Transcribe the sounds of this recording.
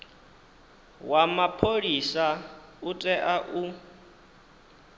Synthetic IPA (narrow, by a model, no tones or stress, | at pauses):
wamapʰoɺisa | utʼɛʔaʔu